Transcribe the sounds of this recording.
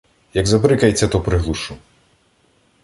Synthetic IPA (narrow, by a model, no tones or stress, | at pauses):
jɐɡzɐpɾɨkɐjt͡sʲːɐt̪ɔpɾɨɦlˠuʂu